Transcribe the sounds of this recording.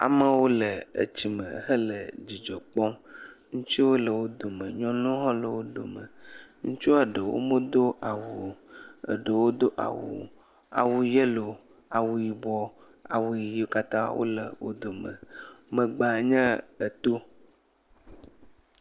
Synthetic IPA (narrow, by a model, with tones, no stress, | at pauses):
a̰˨mə˦wo˦lə˨ə̰˨t͡ɕi˨mə̃˨hə˦lə˨d͡ʑi˨d͡ʒɔ˨k͡pɔ˦mŋũ˦t͡ʃi˦wo˦lə˨wo˦d̪o˨mə̃˨ɲɔ̃˦lũ˦ɦɔ̃˦lə˨wo˦ɖo̰˨mə̃˨ŋũ˦t͡ʃu˦ə˨ɖə˨wo̰˦mõ˦d̪o˦ʔa˨wu˨ə̰˨ɖə˨wo˦d̪o˦ʔa̰˨wṵ˨ | a̰˨wu˨jə˦lo˨ | a˨wu˨ji˨bɔ˦ | a̰˨wu˨ji˨ji˨˦o˦ka˦t̪ã˦a̰˨wo̰˦lə˨wo̰˦d̪o˨mə̰̃˨mə˨ɡ͡ba˨ɲɛ̃˦ə˨t̪o˦